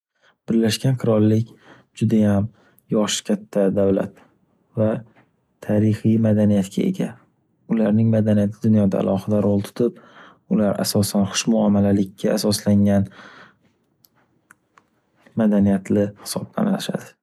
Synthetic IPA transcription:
b̥ɪɾlaʃɡʲanqʰɨɾɒlːɪkʲ | d͡ʒʊd̪ajam | jɒʃɪ̥kʲʰat̪ʰːad̪avla̰t̪ | va | aɾɪhijmad̪anijat̪kʲʰae̞̰ɡʲa | ʊlaɾnɪŋmad̪anijat̪ʰɪd̪ʊnjɒd̪a̰ːlʔɒχɪd̪aɾolˠt̪ʰʊ̥t̪ʰɪp̚ | ʊlaɾa̰sɒsanχʊ̥ʃmʊamalalɪkʲːaasɒslaŋan | mad̪anijat̪ʰlɪhɪ̥sɒb̚la̰naʃa̰d̪ɪ

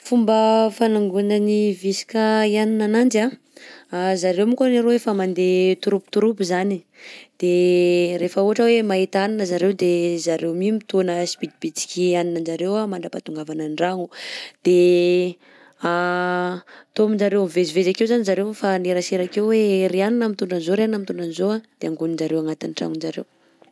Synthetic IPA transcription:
fumbəfanaŋɡunənivisi̥kaianinanand͡ʒa | azaɾewmikoneɾowefamand̪et̪uɾupu̥t̪uɾupizani | d̪̥eɾefəuɦaʈ͡ʂəwemaɦit̪aninəzaɾewd̪ezaɾewmimit̪onəspid̪ibit͡si̥kʲianinəd͡ʒaɾewamaɳɖ͡ʐapat̪uŋɡavananɖ͡ʐaŋud̪̥e | a | t̪omind͡ʒaɾewmivezivezakewzanizaɾewfaneɾaseɾakewweɾianinamit̪uɳɖ͡ʐanizoɾeannamit̪uɳɖ͡ʐanizoad̪̥eaŋɡunind͡ʒaɾewaŋat̪inʈ͡ʂa̰ŋund͡ʒaɾḛw

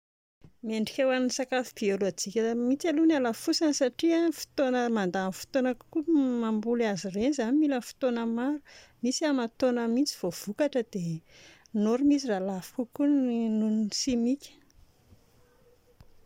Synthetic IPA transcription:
meɳɖ͡ʐikʲewaninisakafib̥ioloat͡sikʲəmit͡salunalafusansaʈ͡ʂiafi̥t̪onəmand̪anfi̥t̪onəkkumambulazirenzanimilənfi̥t̪onəmaɾumisiamat̪onəmint͡si̥v̥ov̥ukaʈ͡ʂəd̪e | noɾumisiralafi̥kukuninunnsimikʲə̥

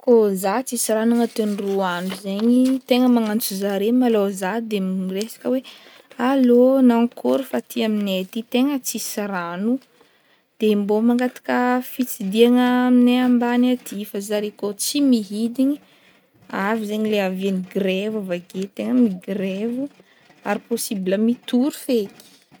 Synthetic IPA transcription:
kozat͡sisiɾanaŋat̪enruanuzeɲit̪eŋəmaŋant͡suzaɾemalozad̪emiresḁkəwe | alonaŋkʰoɾufat̪ʰiaminet̪it̪eŋət͡sisiɾanu | d̪̥embomaŋɡat̪ḁkəfit͡sid̪iaŋəmineambanat̪ʰifazaɾekot͡simiɦid̪iɲi | avizeɲileavianiɡɾevavaɡet̪eŋəmiɡɾevu | aɾiposibiləmit̪uɾufeki̥

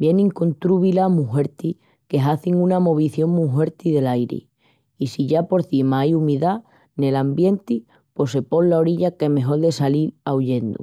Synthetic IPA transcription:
bje̞nĩŋko̞nt̪ɾuβilamuɦe̞ɾt̪i | ke̞ɦaθiŋunamo̞β̞iθjo̞ŋmuɦwe̞ɾt̪iðe̞lajɾḛ | isiʝapo̞ɾθimaajumiða | nelambje̞nt̪i | pwe̞se̞po̞nlao̞ɾiʎakeme̞ɦo̞ɾðe̞salilauʎe̞nd̪ṵ

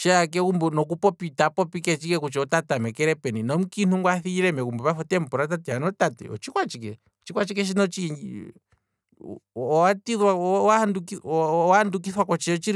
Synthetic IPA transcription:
ʃɛakɛkumbunɔkupɔpit̪apɔpikɛt͡ʃikɛkut͡ʃɛɔt̪at̪amɛkɛɾɛpɛninɔmukin̥uŋɡwaθiiɾɛmɛkumbɛβafɔt̪ɛmpɔɾat̪̬at̪ɛanɔt̪at̪ɛ̰ɔ̰t͡ʃikwat͡ʃikɛ̰ | t͡ʃikwat͡ʃikɛʃ̬inɔt͡ʃik | ɔat̪iðwaahandukianduk̬iθwakɔt͡ʃɛɔt͡ʃiɾ

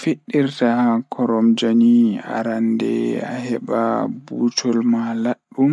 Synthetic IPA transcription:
feɗːiɾtahakʰɔɾɔmd͡ʒania̰ɾandɛ̰ahɛɓabut͡ʃɔlmalaɗːum

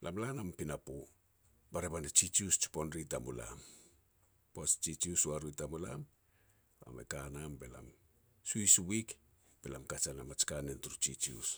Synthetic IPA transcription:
lʔamlanampinapo | baɾeβanet͡ʃit͡ʃiust͡ʃu̥ponɾitamula̰m | past͡ʃit͡ʃiusuaɾuitamulam | a̰mḛkanambe̞la̰m | suiswik | b̥elamkat͡ʃanamat͡ʃkanentuɾut͡ʃit͡ʃṵs

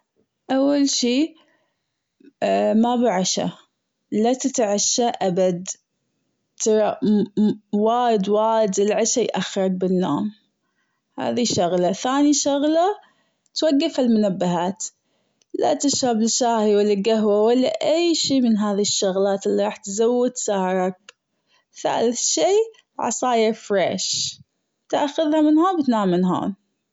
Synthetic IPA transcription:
ʔawːalʃiː | mabiʕaʃa̰ | lat̪ɪt̪ʕaʃːaʔabad̪ | t̪ɑɾˤɑ | waːjɪd̪waːjd̪ɪlʕaʃajʔaxːɑɾˤɑk̚bɪnːo̰ːm | ha̰ːðiʃʊɣlaθaːniʃʊɣla | t̪waɡːafalmʊnabːaɦaːt̪ | la̰t̪ɪʃɾabɪlʃaːhiwalːalɡaɦwawalːaʔajʃiːmɪnɦaːðiʃːʊɣlaːt̪ʔɪlːiɾˤɑːħt̪zawːɪt̪sahɾˤɑk̚ | θa̰ːlɪθʃiː | ʕɑ̰sˤɑːjafɾḛːʃ | t̪ʔaxʊðhamɪnhoːnbɪt̪naːmːɪnɦo̰ːn

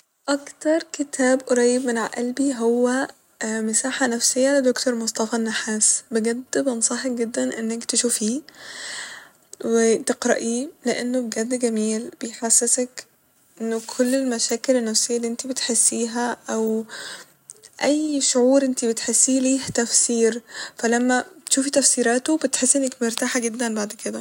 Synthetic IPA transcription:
ʔɑkt̪ɑɾˤket̪ʰæːbʔoɾˤɑjːebmenʕa̰ʔælbiɦowːæ | mɪsaːħanæfsejːæled̪okt̪ʰoɾˤmosˤt̪ɑfɑnːaħaːsbeɡæd̪ːbɑnsˤɑħekɡed̪ːænʔenːækt̪eʃufiː | wet̪eqɾɑ̰ʔiːleʔenːobeɡæd̪ːɡæmiːlb̥ejħasːesæk | ʔʔenːokʰolːelmæʃæːkelenːæfsejːælːiʔent̪ibet̪ħesːiːɦæʔæw | ʔæjːʃoʕuːɾʔent̪ibet̪ħesːiːliːht̪æfsiːɾfælæmːæt̪ʃuːfit̪æfsiːɾæːt̪obet̪ħesːʔenːæk̚meɾt̪aːħaɡed̪ːænbaʕd̪ked̪æ

